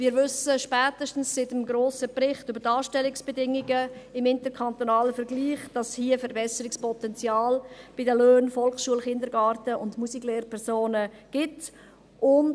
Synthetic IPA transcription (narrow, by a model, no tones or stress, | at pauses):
mɪːɾvʏsəʃpɛːtəʃtn̩sːɪtəmɡɾoːsəprɪχtybəɾdɑːʃtɛlɪksb̥ɛdɪŋiɡəɪmɪntəkʰɑntonɑːləfɛɾɡliːχd̥ɑshiəfəɾbɛsəɾɪkspʰɔtɛnt͡sjɑːlb̥ɪdəløːnfɔlχʃuəlχɪndəɾɡɑːɾtəʊndmusikleːɾpʰɛɾsoːnə | ɡ̥ɪt | ʔʊn